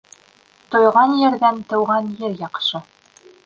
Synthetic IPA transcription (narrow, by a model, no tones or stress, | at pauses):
t̪ŏjʁɑnjɘ̆ɾðænt̪ɤ̆wʁɑnjɘɾjɑqʃɤ